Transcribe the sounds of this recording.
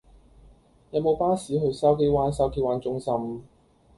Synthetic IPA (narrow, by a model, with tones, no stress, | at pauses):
jɐ˨˧wmo˨˧wpaː˥siː˨˥ɦɵ˨˧ɥsɐ˥wk̬e˥jwaː˨˥nsɐ˨˥wkʰiː˨˧waː˨˧nt͡sʊ˥ŋsɐ˧˥m